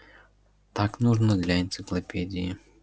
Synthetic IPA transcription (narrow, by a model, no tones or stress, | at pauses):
t̪aknuʐnɔd̪lʲɐint̪sɪklˠɐpʲɛdʲiji